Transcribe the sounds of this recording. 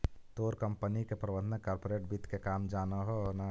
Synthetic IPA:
t̪oːɾkɐmpənikepɾɐʋəd̪nɐkaːɾpoɾeːʈbit̪kekaːmd͡ʒaːnaɦona

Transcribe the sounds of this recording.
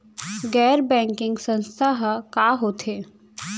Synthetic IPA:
ɡɛːɾbɛ̃ːŋkɪ̃ŋɡsə̃nst̪ʰaɦkaːɦoːt̪ʰeː

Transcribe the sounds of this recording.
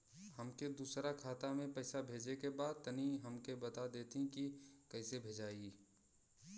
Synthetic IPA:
həmked̪uːsɾakʰaːt̪amẽpɛɪsabʱeːd͡ʒekebaːd̪̚t̪əniɦəmkebɐt̪ad̪eːt̪ĩkikɐːɪsebʱeːd͡ʒaːiː

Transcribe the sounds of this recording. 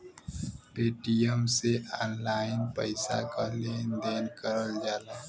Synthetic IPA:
peːʈijəmseʔaːnlaːɪnpə̰ɪsa̰kaleːnd̪eːnkəɾəld͡ʒaːla

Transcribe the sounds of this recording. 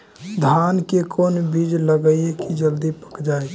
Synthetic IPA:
d̪ʱaːnkekonbid͡ʒləɡəiekid͡ʒəld̪ipə̥kd͡ʒaːe

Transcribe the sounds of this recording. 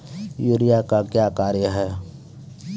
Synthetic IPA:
juːɾijakakjaːkaːɾjəɦɛː

